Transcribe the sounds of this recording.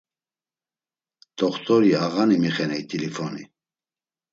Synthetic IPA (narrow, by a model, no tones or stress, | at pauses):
t̪ʰɔχt̪ʰʼɔɾiaɣanimiχɛnɛit̪ʰʼilifɔnḭ